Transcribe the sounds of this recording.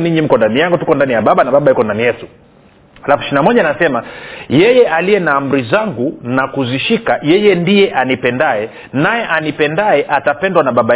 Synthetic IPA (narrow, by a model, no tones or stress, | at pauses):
niɲim̩kɔndanijaŋɡutukɔndanijaɓaɓanaɓaɓaikɔndanijɛtu | halafuʃiinamɔʄanasɛmajɛjɛʔalijɛnaːm̩ɾizaŋɡunakuziʃikajɛjɛndijɛʔanipɛndaɛ | najɛʔanipɛndaɛʔatapɛndwanaɓaɓa